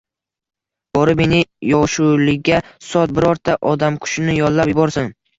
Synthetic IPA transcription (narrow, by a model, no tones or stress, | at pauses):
b̥ɒɾɪme̞nɪjɒʃulɪɡʲasɒt̪̚bɪɾɒɾt̪ʰːaʔɒd̪amkʰʊ̥ʃɪnɪjɒlˠlːapjɪbɒɾsɪn